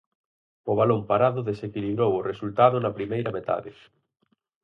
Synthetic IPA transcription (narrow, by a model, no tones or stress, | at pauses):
ʊβ̞alompaɾaðʊðesekiliβ̞ɾowʊresult̪aðʊnɐpɾimejɾɐmet̪a̰ðɪ